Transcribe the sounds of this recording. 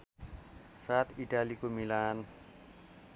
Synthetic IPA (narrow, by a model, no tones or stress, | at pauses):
saːt̪idalikumilan